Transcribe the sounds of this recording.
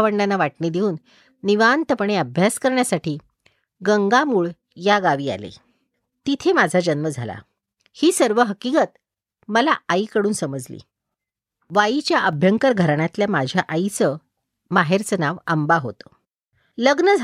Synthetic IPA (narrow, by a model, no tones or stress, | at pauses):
ʋəɳɖanaʋaʈnid̪euːnː | iʋant̪əpɳeəbʱjaskəɾɳjasaʈʰiː | ɡəŋɡamuːɭ | jaɡaʋiːa̰lḛ | t̪it̪ʰemad͡zʱad͡ʑənməd͡zʱala̰ | hiːsəɾʋəɦəkikət̪ | məlaaikəɽuːnsəməd͡zlḭː | ʋajit͡ɕjaʔəbʱjəŋkəɾɡʱəɾaɳjat̪ljamad͡ʑʱjaʔait͡sə | maɦeɾt͡sənaʋambaɦot̪ə̥ | ləɡnəd͡zʱ